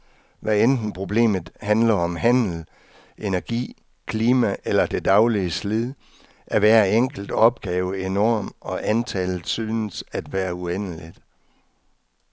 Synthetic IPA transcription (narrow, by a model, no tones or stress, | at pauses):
ʋæend̥n̩pʰʁo̝b̥le̝̰ːmð̩ˠhænlɐɒ̽mɦæn̰l̩ | ʔe̝næɐɡ̥ḭː | kʰliːmæʔelɐd̥e̝d̥ɑ̈ʊliəsliðˠ | ʔæʋæːɐeŋ̰ɡ̥l̩d̥ɒ̽b̥̚ɡ̥ɛːʊəe̝nɒːmɒ̽ʔænt͡sʰɛlð̩ˠsyːnəsæd̥ʋæːɐuen̰əlid̥